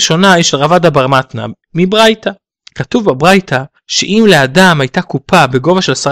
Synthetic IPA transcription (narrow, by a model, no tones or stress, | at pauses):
ʃo̞naiʃelʁavadabaʁmatna̰ | mibʁajta | katuvbabʁajta | ʃḛʔimleadamajtakupʰabe̞ɡo̞vaʃe̞lasa